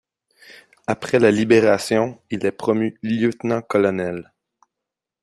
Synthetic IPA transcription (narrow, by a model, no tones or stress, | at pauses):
apχɛlalibeʁasjɔ̃ilɛpχɔmyljøt̪nɑ̃kɔlɔnɛl